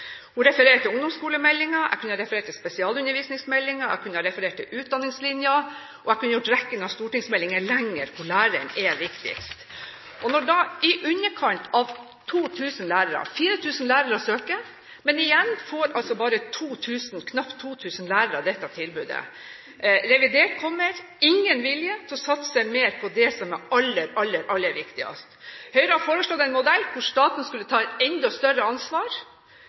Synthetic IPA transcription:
hʊnɾɛfəɾeːʈ̪ʰɪlʊŋd̪ɔmskuːləmɛlːɪŋɑæ̰kʉnəhɑɾɛfəɾeːʈt̪ʰɪlspɛsɪɑːlʉnːəɾʋiːsnɪŋsmɛlːɪŋɑæ̰kʰʉnːəhɑɾɛfəɾeːʈ̚tʰːɪ̰lʔʉːt̪̚d̪ɑnːɪŋslɪnjɑ | ʔɔækʉnːəjʊʈːɾɛkːənɑst̪uːʈɪŋsmɛlːɪŋəɭɛŋːəɾkʰʊɭæːɾə̰nɛʋɪkt̪ɪ̰kst̪ | ʔɔnɔɖɑʔɪʔʉɲːəkʰɑnt̪ɑʋ | t̪ʰuːt̪ʰʉːsənlæːɾəɾɑ̰fiːɾət̪ʰʉːsənlæːɾəɾɔsøːkə | mɛnɪjɛnːfoːɾʔɑlsɔbɑːɾət̪ʰuːt̪ʰʉːsn̩kʰnɑpt̪ʰːuːt̪ʰʉːsənlæːɾəɾɑd̪ɛt̪ːɑt̪ʰɪlbʉːd̪ə̰ | ɾɛʋɪd̪eːʈkʰɔmːəɾ | ɪŋːənʋɪljət̪ʰɪlɔsɑt̪səsɛɪmeːɾpʰɔd̪ɛsɔmæɑlːəɾɑlːəɾʔɑlːəæʋɪkt̪ɪɑ̰st̪hœʏɾəhɑfoːɾəslɔd̪æɛɪnmʊd̪ɛlːkʰʊʂt̪ɑːt̪nskʉlːət̪ʰɑːɛɛnd̪ɔst̪œrəɑnsʋɑːɾ

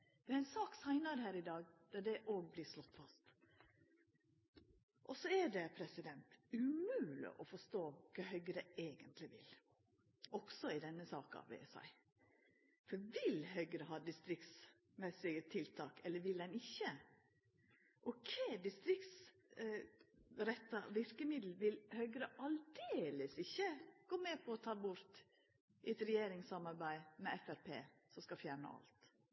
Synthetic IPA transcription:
d̪̥ɛɾæɪnsɑːksæɪnɑɾhæːɾɪd̪ɑːɡd̪̥ɑd̪ɛʔoːɡ̚blɪːʂlɔt̪ːfɑst̪ | ʔɔsɔæɖɛpʰɾɛsɪd̪ɛnt̪ʉmʉːlɪ̰ʔɔfɔʂt̪oːkʰɑːɦœʏɡəɾəeːɡənt̪lɪʋɪ̰l | ʔɔɡ̥sɔɪd̪ɛnːəsɑ̰ːkɑ̰ʋʋḛːsæ̰ɪ | fɔɾʋɪlɦœɡəɾəɦɑːd̪ɪst̪ɾɪk̪s | mɛsɪɡət̪ʰɪlt̪ʰɑːkɛlːəɾʋɪld̪ɛnɪçːə | ʔɔkʰeːd̪ɪst̪ɾɪkt̪s | ɾɛt̪ːɑʋɪɾkəmɪd̪l̩ʋɪlhœʏɡɾəʔɑld̪eːləsɪçːəɡ̥oːmɛːpʰɔɔt̪ʰɑːbʊɾt̪ | ʔɪɛt̪ɾɛjeːɾɪŋsɑmɑɾbæɪmɛɛfæɾpʰḛːsɔskɑfjæːɳə̰ʔɑ̰lt̪

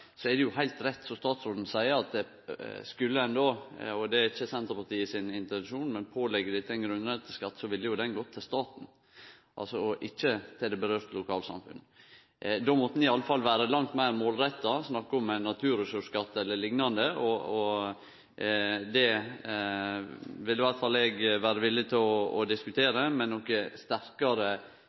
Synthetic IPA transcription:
sɔɛd̪ɛjʊɦæɪt̪ɾɛt̪ːsɔst̪ɑːt̪sɾoːd̪n̩sæɪəɾɑt̪̚d̪ɛ | skʉlːəɛnd̪oːɔd̪ɛɪçːəsɛnt̪ɾəpɑt̪iːɪsɪnɪnt̪əʋɛnʃuːnmɛnpʰoːlɛɡːəɖ̪ɛɪt̪ːəɛnɡɾʉnɾɛt̪ʰɪlskɑt̪ːsɔʋɪlːəjʊd̪ɛnɡɔt̪ʰɪlst̪ɑːt̪n̩ | ʔɑ̰lsɔɔʔɪçːət̪ʰɪld̪ɛbəɾøːɾt̪lʊkʰɑːlsɑ̰mfʉ̰n | d̪ɔmɔt̪ːənɪɪɑlːəfɑlːʋæːɾəlɑŋt̪mæɪɾmoːlɾɛt̪ːɑsnɑkːəɔmɛnɑt̪ʰʉːɾəsʉʂkɑt̪ːɛlːəɭɪŋnɑnd̪əʔɔɔ | d̪ɛ | ʋɪlːəɪʋæɾt̪fɑlɛɡʋæːɾəʋɪlːɪt̪ʰɪlɔɔ̰d̪ɪskʉt̪ʰeːɾəmɛnːɔkːəst̪æɾkɑɾə

